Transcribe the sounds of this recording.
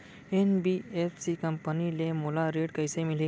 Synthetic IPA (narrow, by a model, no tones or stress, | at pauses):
enbiepʰsikəmpənilemolaɾeɖkəjsemili